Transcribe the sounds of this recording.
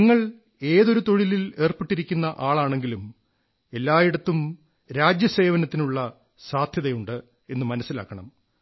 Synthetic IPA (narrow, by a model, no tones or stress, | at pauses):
niŋːɐɭ | e̞ːðo̞ɾut̪o̞ɻilile̞ːrpiʈːiɾikʲːunːɐʔaːɭaːɳe̞ŋɡilum | e̞lːaːjiɽɐt̪ːum | ɾaːd͡ʑjɐse̞ːʋɐnɐt̪ːinuɭːɐ | saːd̪ʱjɐðɐjuɳɖɨ | e̞nːɨmɐnɐsːila̰ːkːɐɳɐ̰m